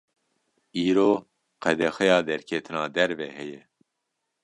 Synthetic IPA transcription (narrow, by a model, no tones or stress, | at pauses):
iːɾoː | qɛd̪ɛxɛjɑːd̪ɛɾkʰɛt̪ʰɨnɑːd̪ɛɾvɛhɛjɛ